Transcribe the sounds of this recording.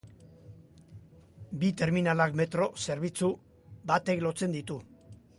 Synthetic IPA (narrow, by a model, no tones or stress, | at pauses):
bit̪e̞ɾminalakme̞t̪ɾo̞se̞ɾβit͡su | bat̪e̞klo̞t͡se̞nd̪it̪u